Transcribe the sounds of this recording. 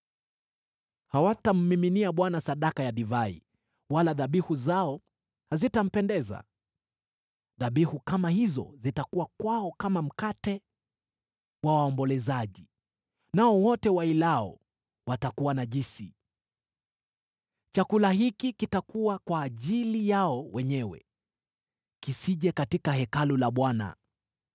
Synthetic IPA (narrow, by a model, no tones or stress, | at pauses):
hawatam̩miminiaɓwanasaɗakajaɗivaḭ | walaðaɓihuzaɔ | hazitam̩pɛndɛza̰ | ðaɓihukamahizɔ̰zitakuwakwaɔkamam̩katɛ | wawaɔmbɔlɛzaʄi | naɔwɔtɛwailaɔ̰ | watakuwanaʄisi | t͡ʃakulahikikitakuwakwaːʄilijaɔwɛɲɛwɛ̰ | kisiʄɛkatikahɛkalulaɓwana̰